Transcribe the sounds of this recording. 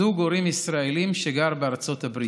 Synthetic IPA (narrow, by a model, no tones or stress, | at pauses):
uɡoɾimisʁaelimʃeɡaʁbeaʁt͡so̞t̪abɾi